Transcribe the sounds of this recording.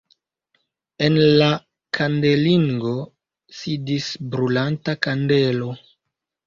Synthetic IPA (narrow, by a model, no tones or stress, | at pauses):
e̞nla | kʰande̞liŋɡo̞ | sidisbɾulantakande̞lo̞